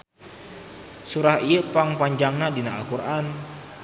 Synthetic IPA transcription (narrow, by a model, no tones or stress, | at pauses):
suɾahiəpaŋpaɲd͡ʒaŋnadinaakurʔan